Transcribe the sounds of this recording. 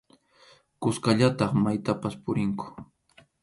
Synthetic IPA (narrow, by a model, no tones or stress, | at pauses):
kʊskaʎat̪ɑχmajt̪apaspʊɾɪŋkʊ̥